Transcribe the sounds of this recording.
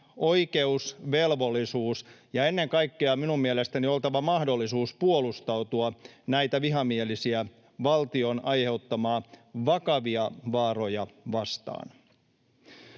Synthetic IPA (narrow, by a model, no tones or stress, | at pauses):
o̞ike̞usʋe̞lʋo̞lːisuːsjɑe̞nːeŋkɑikːeɑminummielest̪ænio̞lt̪ɑʋɑmɑhdo̞lːisuːspuolust̪ɑut̪uɑnæjt̪æʋiɦɑmielisiæ | ʋɑlt̪io̞nɑjhe̞ut̪ːɑmɑːʋɑkɑʋiɑʋɑːro̞jɑʋɑst̪ɑ̰ːn